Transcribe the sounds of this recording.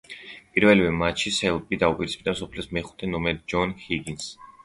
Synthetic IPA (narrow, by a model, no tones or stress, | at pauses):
pʼiɾvɛlivɛmat͡ʃʰisɛlˠpʼid̪aupʼiɾispʰid̪amsɔpʰlɛsmɛχu̥t̪ʰɛnɔmɛɾd͡ʒɔnhiɡins